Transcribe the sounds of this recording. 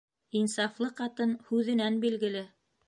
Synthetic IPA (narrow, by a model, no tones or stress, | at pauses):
insɑflˠɤqɑt̪ɤnhʉðɘ̆nænbilɡɘ̆lɘ